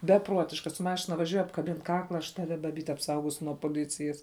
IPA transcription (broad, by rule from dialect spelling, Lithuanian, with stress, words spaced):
bʲɛˈpruɔtʲɪʃkɐ sʊ ˈmɑːʃʲɪnɐ ʋɐˈʒʲuɔj ɐpkɐˈbʲɪn ˈkɑːklˠɐ ɐʃ ˈtɑːʋʲɪ bɐˈbʲiːt ɐpˈsɐʊɡoːsʲʊ nuɔ poːˈlʲɪt͡sʲɪjɛs